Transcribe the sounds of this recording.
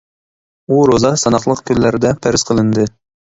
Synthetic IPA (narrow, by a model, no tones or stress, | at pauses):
uɾozɑsɑnɑχlˠəqkʲʰylːæɾɪd̪ɛpʰæɾɪz̥qʰəlˠɨnd̪ɨ